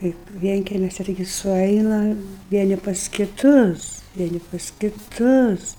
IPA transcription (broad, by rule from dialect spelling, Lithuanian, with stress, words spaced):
ˈkɐɪp ˈʋʲiɛŋʲkʲɛmʲʊsʲɪ tɐɪˈɡʲɪ sʊˈɐɪnɐ ˈʋʲiɛnʲɪ pɐs kʲɪˈtʊs ˈʋʲiɛnʲɪ pɐs kʲɪˈtʊs